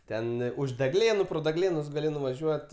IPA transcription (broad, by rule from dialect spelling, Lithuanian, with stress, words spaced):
ˈtʲɛn ʊʃ dʲɛˈɡlʲeːnʊ proː dʲɛˈɡlʲeːnʊs ɡɐˈlʲɪ nʊʋɐˈʒʲuɔt